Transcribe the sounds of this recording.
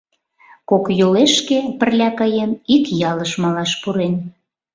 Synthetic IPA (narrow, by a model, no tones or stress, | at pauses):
kokjoleʃkepə̆rlʲɑkɑjenikjɑləʃmɑlɑʃpuɾen